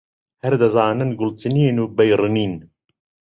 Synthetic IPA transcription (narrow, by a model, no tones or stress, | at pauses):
hɐɾd̪azɑːnənɡʊlt̪ɨniːnuːbɐjɾɨniːn